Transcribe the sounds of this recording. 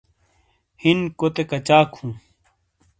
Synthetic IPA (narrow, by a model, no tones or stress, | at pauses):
hinkot̪ekɐt͡ɕaːkʰhũː